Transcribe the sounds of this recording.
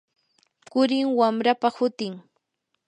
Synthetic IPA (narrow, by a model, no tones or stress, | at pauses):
kʊɾɪŋwamɾapahʊt̪ɪŋ